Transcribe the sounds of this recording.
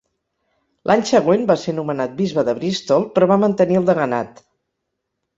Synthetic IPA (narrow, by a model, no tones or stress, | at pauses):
lʔaɲsəɣwenbaseɾnumənat̪̚bizβəðəβɾist̪ɔlˠpɾɔβamənt̪əniəlˠd̪əɣənat̪